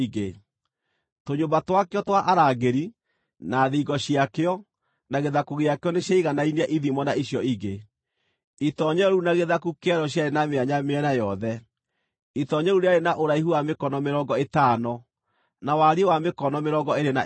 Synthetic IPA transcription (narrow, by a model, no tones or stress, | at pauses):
iɡe | toɲombatwakeɔtwaʔaɾaːɣeɾi | naðiɣɡɔɕiakeɔ | naɣeðakuɣejakeɔneɕjaiɣanainɛʔiðimɔnaiɕjɔiɣe | itɔɲɛɾunaɣeðakukeɛɾɔɕ̬jaɾenameaɲameɛnajɔðɛ | itɔɲɛɾuɾeaɾenaʔoɾaiɦuwamekɔnɔmeɾɔɡɔetaːnɔ | nawaɾiewamekɔnɔmeɾɔɡɔeɾena̰